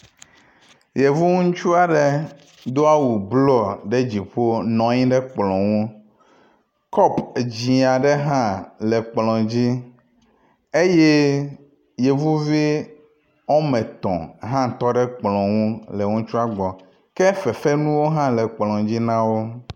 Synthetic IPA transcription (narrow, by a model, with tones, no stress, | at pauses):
je˨vu˦ŋũ˦t͡ʃu˦a˨ɖe˦ | d̪o˦a˦wu˨blɔ˦ɖe˦d͡ʑi˨ɸo˦nɔ̃˨ɲĩ˦ɖɛ˦k͡plɔ̃˨wũ˦ | kɔ˦pd͡ʑĩ˨a˨ɖɛ˦ɦã˦le˨k͡plɔ̃˨d͡ʑi˦ | e˦je˦ | je˨vu˦vi˦ | o˦mɛ̃˨t̪ɔ̰̃˨ɦã˦˨t̪ɔ˦ɖɛ˦k͡plɔ̃˨wũ˦le˨ŋũ˦t͡ʃu˦a˦ɡ͡bɔ˨ | kɛ˦fe˨fe˦nũ˦wo˦ɦã˦lɛ˨k͡plɔ̃˨d͡ʑi˦nã˦wo˦